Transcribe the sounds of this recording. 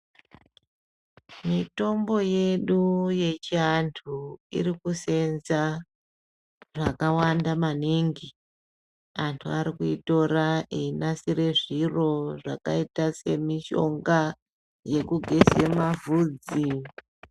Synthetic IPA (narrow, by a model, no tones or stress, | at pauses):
mito̞mbo̞je̞ɗuje̞t͡ʃiantʰuḭɾikuse̞nza | ʐakawandamaniŋɡi | antʰuaɾikuito̞raʔeinasiɾe̞ʐiro̞ʐa̰kaitase̞miʃo̞̰ŋɡa | je̞kuɡʱezemavuːd͡zi